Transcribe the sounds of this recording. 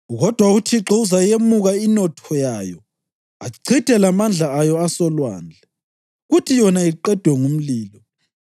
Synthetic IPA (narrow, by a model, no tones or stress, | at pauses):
ɣɔd̥ʱwautʰiǁɔuzajemuɣainɔtʰɔjajɔ | aǀid̥ʱɛlamand͡ɮʱaːjɔasɔlwa̰ːnd͡ɮʱɛ | ɣutʰijɔnaiǃɛd̥ʱwɛŋum̩liːlɔ